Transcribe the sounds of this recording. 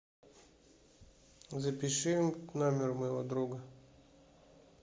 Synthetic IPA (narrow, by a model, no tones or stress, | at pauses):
zɐpʲɪʃɪmnamʲirmɔjɦɔd̪ɾuɡɐ